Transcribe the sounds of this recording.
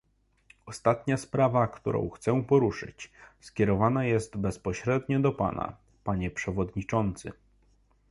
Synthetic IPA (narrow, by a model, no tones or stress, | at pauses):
ɔst̪at̪ɲaspɾavakt̪uɾɔ̰̃w̃xt̪sɛw̃pɔɾuʂɘ̰t͡ɕskʲɛɾɔvanajɛst̪bɛspɔɕɾɛd̪ɲɔd̪ɔpa̰na̰ | paɲɛpʂɛvɔd̪ɲit͡ʂɔnt̪sɘ̰